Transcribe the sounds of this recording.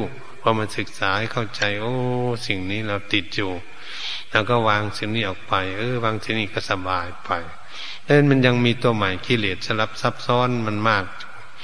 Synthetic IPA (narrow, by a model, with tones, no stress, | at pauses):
wʰaː˧˩ma˧˨nsɯ˧˦k̚saː˨˦kʰa˧˩wt͡ɕa˧jʔoː˧si˨˩ŋniː˧˥˩lɛ˧˩wt̪i˨˩t̪̚juː˨˧˩ | lɛː˧˩wkɔː˧˩waː˧ŋsi˨˦ŋniː˧˩ʔɔː˨˩k̚pa˨˧jʔɤː˧˨waː˧ŋsi˧˨˦ŋniː˧˩ka˧˩sa˧baː˨jpa˨˩j | lɛ˧˦a˧˥˨nma˧˨nja˧ŋmiː˧t̪u˧əmaː˨˦jkʰi˧˥˨leː˨˩t̪̚sa˧mla˧˦p̚sa˧˩p̚sɔː˧˥˨nma˧˨nmaː˧˩k̚